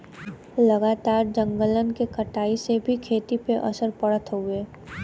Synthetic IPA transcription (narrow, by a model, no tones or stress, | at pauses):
lɐɡaːt̪aːɾd͡ʒə̃ŋɡələnkekəʈaːisebʱikʰeːt̪ipeʔɐ̰səɾpəɽət̪ɦueː